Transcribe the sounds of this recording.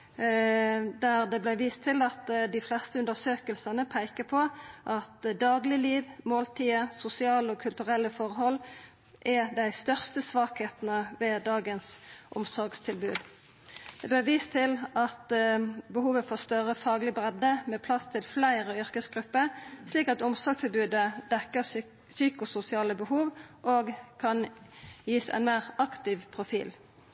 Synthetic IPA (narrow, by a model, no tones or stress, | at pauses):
d̪æʁd̪ɛblæʋiːst̪ʰːɪlɑt̪d̪ɪflɛst̪əʉnd̪əʁsøːkəlsɑnəpʰæɪkəpʰɔʔɑt̪d̪ɑːɡlɪliːʋmoːlt̪ʰiːəsʊsɪɑːləɔkʰʉlt̪ʉʁɛlːəfɔʁɦɔlː | ʔɛd̪æɪst̪œʁst̪əsʋɑːkheːt̪ənəʋɛːd̪ɑːɡənsʔʊ̰msɔʁɡst̪ʰɪlbʉ̰ːd̪ | d̪̥ɛbøːʁʋiːst̪ʰɪlɑt̪bəhuːʋəfɔʁst̪œʁəfɑːɡlɪbʁɛd̪əmeːpʰlɑst̪ʰɪlflæɪʁəʏʁkəsɡʁʉpːəʁsliːkɑt̪ʊmsɔʁɡst̪ʰɪlbʉːd̪əd̪ɛkːəʁ | syːkʊsʊsɪɑːləbəhuːʋʔoːɡkʰɑnjiːsæ̰ɪnmæɪʁɑkt̪ɪʋpʰʁʊfḭːl